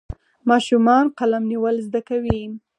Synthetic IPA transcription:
mɑʃumɑnqalamniwəlzd̪akawi

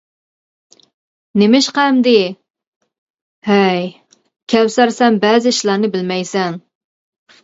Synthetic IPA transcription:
nemɪʃqæmd̪ɪ | hɛj | kʲʰɛwsæɾsɛmbɛːzɪiʃlˠɑɾnɨbɪlmɛjsɛŋ

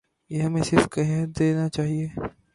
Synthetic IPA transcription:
jeɦɐmẽsɪɾfkɐɦɦət̪̚d̪eːnat͡ʃaːɦieː

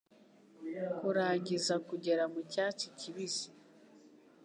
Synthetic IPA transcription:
kuɾaːɲɟizakuɟe̞ɾamucaːt͡ʃiciβizi

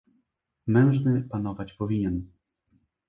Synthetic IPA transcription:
mɛ̃w̃ʐnɘpanɔvat͡ɕpɔvʲiɲɛn

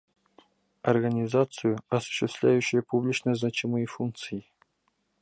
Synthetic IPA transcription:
ɐrɡənʲɪzat̪sɨjʊɐsʊ̥ɕːɪst̪lʲæjʉɕːɪjəpublʲit͡ɕnəznat͡ɕimɨjəfunk̚t̪sɨjɪ

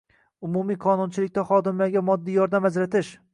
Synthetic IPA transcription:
ʊmumijqʰɒnʊnt͡ʃʰɪlɪk̚ʲt̪aχɒd̪ɪmlaɡʲamɒd̪ːijɒɾd̪amazɾat̪ʰɪʃ

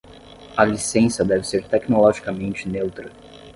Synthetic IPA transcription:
ɐlisẽsɐd̪ɛvɪseɾt̪ɛknolɔʒikɐmẽnt͡ʃɪnewt̪ɾɐ

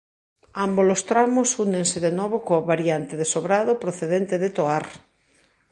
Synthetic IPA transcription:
ambolost̪ɾamosunẽŋseðenoβ̞okoaβaɾjant̪eðesoβɾaðopɾoθeðent̪eðet̪oaɾ

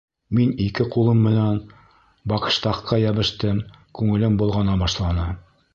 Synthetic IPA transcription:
minikɘqulˠɤmːɘ̆næn | bɑqɤ̥̆ʃt̪ɑχqːɑjæβɘ̆ʃt̪ɘmkʉŋɘ̆lɘmbŭlˠʁɑnɑbɑʃlˠɑnɤ

